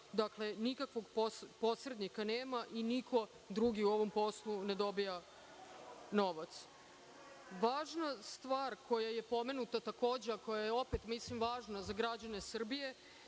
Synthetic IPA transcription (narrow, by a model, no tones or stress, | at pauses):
d̪akle̞nikakʋo̞ɡpospo̞sɾe̞d̪nikaneːmaʔinikʰo̞ | d̪ɾuɡiuo̞ʋo̞mpo̞slˠune̞d̪o̞bija | no̞ʋat̪s | ʋaːʒnast̪ʋaːɾko̞jaje̞po̞me̞nut̪at̪ako̞ːd͡ʑeako̞jajeo̞pet̪mislimʋaːʒnazaɡɾad͡ʑane̞sr̩bije̞